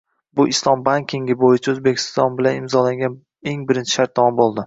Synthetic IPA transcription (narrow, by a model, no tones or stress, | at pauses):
bʊʔɪslˠɒmbaŋʲkʲʰiŋɡʲɪbojɪt͡ʃʰaɵzbekʲʰɪ̥st̪ɒnbɪlanɪmzɒlaŋɡʲan | e̞ŋbɪɾɪnt͡ʃʰɪ̥ʃaɾt̪̚ːɒmɒmbolˠd̪ɪ